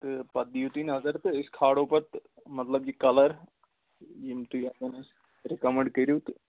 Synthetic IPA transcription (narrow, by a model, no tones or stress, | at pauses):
t̪ɨpɐd̪ijut̪iːnɦɐzɐɾt̪ɨɪskʰaːɽoːpɐɾt̪ | mɐt̪lɐb̚d͡ʒikɐlɐɾ | jimt̪uɐɡɐnɐs | ɾɪkɐməɳɖkəɾut̪